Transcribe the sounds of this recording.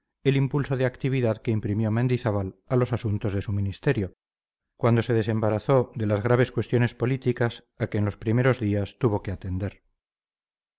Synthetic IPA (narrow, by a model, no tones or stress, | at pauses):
e̞limpulso̞ð̞eakt̪iβ̞iðaðkeimpɾimjomend̪iθaβalalo̞sasunt̪o̞zð̞e̞suminist̪e̞ɾjo̞ | kwand̪o̞se̞ð̞e̞se̞mbaɾaθo̞ðe̞lazɣ̞ɾaβ̞e̞skwe̞st̪jo̞ne̞spo̞lit̪ikas | akeːnlo̞spɾime̞ɾo̞zðiast̪uβ̞o̞ke̞at̪e̞nd̪e̞ɾ